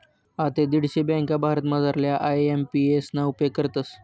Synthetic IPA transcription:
at̪ed̪iɽ̤ɕebjãŋkabʱaɾət̪məd͡zaɾljaʔajempiesnaupekəɾt̪əs

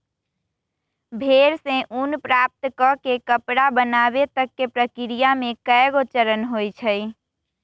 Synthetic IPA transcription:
bʱeɾsẽʔunpɾap̚t̪kɔkekəpɽabənabet̪əkːepɾəkɪɾijamekəɛɡot͡ʃəɾənɦojt͡ʃʰəj

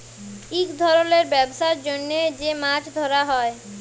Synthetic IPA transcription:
ikd̪ʱɔɾoleɾbɛbʃaɾd͡ʑonːed͡ʑemaʈʰd̪ʱoɾaɦɔe

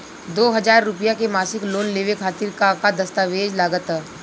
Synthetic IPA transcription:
d̪oːɦɐd͡ʒaːɾːʊpijakemaːsɪkloːnleːʋekʰaːt̪ɪɾkakad̪ɐst̪aːʋeːd͡ʒlaːɡət̪ː

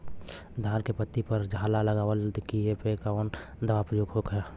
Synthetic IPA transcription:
d̪ʱaːɾkepət̪ːipəɾd͡ʒʱaːlaləɡaːʋəld̪kiepekaon | d̪ɐʋapɾəjoːɡɦokəja

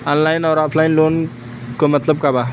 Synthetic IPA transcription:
ɔnlajnɔɾɔpʰlajnlon | komət̪ləb̚kaba

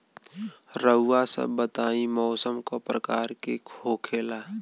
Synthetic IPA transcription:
ɾəʊːasə̰bːət̪aːimɔːsəmkopɾəkaːɾkekʰoːkʰeːla

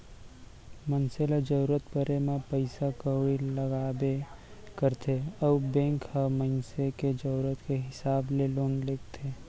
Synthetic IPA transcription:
mənseled͡ʒəɾuɾət̪pəɾemẽpəɪsakəɽiləɡaːbe | kəɾt̪ʰeəːbẽːŋkhəmənseked͡ʒəɾuɾət̪keɦɪsaːbleloːnleːkt̪ʰe

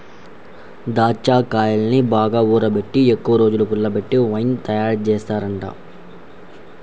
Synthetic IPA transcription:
d̪aːt͡ʃːaːkaːjɐlɐnibaːɡaːuːɾɐbe̞ʈːiekːuʋɐɾo̞ːd͡ʒulupulːɐbe̞ʈːiʋɐjnt̪ɐjaːɾt͡ʃeːst̪aːɾɐɳʈa̰

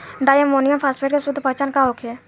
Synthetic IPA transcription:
ɖaːjəmoːnijəmpʰaːspʰeːʈkesʊd̪ʱəpət͡ʃaːnkaɦoːkʰe

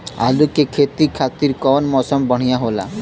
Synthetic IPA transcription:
a̰lukekʰet̪ikʰat̪iɾkɔnmɔsɔmbɔɽ̤̃ijaɦola̰

